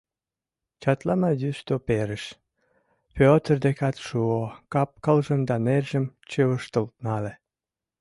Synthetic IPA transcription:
t͡ɕɑt̪lɑmɑjyst̪opeɾəʃ | pʲøot̪ərd̪ekɑt̪ʃuokɑp̚kəlʒə̆md̪ɑnerʒə̆mt͡ɕeəʃt̪əlt̪̚nɑle

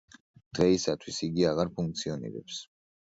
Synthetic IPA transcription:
d̪̥ʁɛisat̪ʰwisiɡiaʁaɾpʰuŋk̚t̪sʰiɔnḭɾɛ̰ps

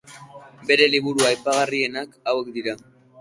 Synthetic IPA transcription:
be̞ɾe̞liβ̞uɾuajpaɣ̞arie̞nakawe̞k̚d̪iɾa

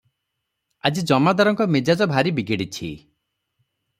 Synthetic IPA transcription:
ad͡ʒid͡ʒɔmad̪aɾɔŋkɔmed͡ʒad͡ʒɔbʱaɾibiɡeɽit͡ʃʰḭ

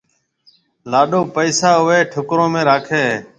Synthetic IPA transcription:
laːɗoːpəːsaːɦʊʋeːʈʰʊkɾõːmẽːɾaːkʰeːɦː

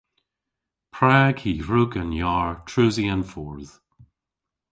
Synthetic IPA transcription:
pʰɹaːkʰiːɹʊɡənjaːɹtʰɹuziənfɔɹð̥

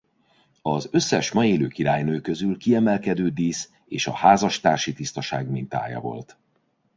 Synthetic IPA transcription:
ɒzø̞sːɛʃmɒeːløːkiɾaːjnøːkø̞zylkiɛmɛlkɛd̪øːd̪iːs | eːʃɒ̰haːzɒʃt̪aːrʃit̪ist̪ɒʃa̰ːɡmint̪a̰ːjɒ̰vo̞̰lt̪

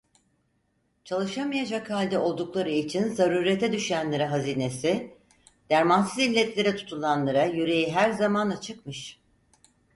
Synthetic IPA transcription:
t͡ʃʰalˠɯʃamajad͡ʒakhalʲd̪ɛo̞lˠd̪uklˠaɾɯit͡ʃʰinzaɾuːɾet̪ʰɛd̪yʃyjænlʲeɾɛɦaziːne̞sɪ | d̪̥æɾmansɯzilʲːɛt̪lʲe̞ɾɛt̪ʰu̥t̪ʰulˠanlˠaɾajyɾe̞jiɦæɾzamanat͡ʃʰɯkmɯʃ

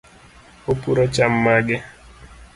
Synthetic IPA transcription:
opuɾot͡ʃamːaɡɪ

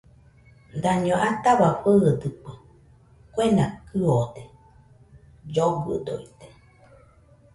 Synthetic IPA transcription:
d̪aɲõʔat̪aβaɸəːd̪ɨpɨ | kwenakɨod̪e | d͡ʒoɡɨ̰d̪o̰it̪e̥

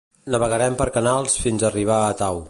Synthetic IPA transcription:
nəβəɣəɾɛmpəɾkənalˠsfinzəriβ̞aːt̪aw

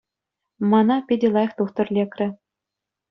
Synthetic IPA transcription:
mɑnɑpʲedʲĕlˠɑjɤ̆χt̪uχt̪ɤ̆rlʲekrʲɘ̆

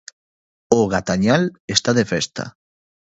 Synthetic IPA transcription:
oɣat̪aɲalest̪aðefɛst̪a̰

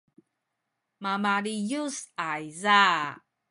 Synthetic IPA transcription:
mamaɾijusajza

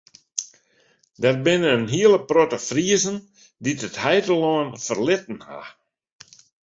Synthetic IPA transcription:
dɛr̚bɪnəənɦiələprotəfriəzən | ditəthɛjdəloənfərlɪtən̩ha̰

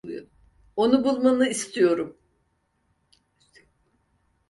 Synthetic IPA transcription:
o̞nubulˠmanɯist̪ʰijo̞ɾum

